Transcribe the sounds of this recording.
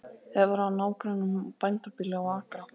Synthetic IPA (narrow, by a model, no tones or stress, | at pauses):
ɛvaɾanaːwkɾanʏmpajnt̪apɪlːɛɣaaːkɾa